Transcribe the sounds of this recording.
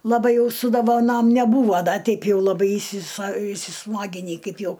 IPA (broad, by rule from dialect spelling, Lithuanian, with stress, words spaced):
lˠɐˈbɐɪ ˈjɛʊ sʊ doːʋɐˈnoːm nʲɛˈbuːʋoː ˈdɐ ˈtʲɛɪp ˈjɛʊ lˠɐˈbɐɪ iːsʲɪsɐ iːsʲɪˈsmɑːɡʲɪnʲiː ˈkɐɪp ˈjɛʊ